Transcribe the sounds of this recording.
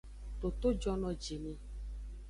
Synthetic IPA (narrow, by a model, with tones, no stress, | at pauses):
t̪o˨t̪o˦d͡ʒɔ˦nɔ̃˨d͡ʒi˨nĩ˦